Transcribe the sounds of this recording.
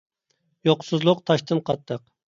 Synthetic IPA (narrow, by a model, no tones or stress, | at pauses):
joqsɨzlˠʊqt̪ʰɑʃt̪ɨnqʰɑt̪ːəq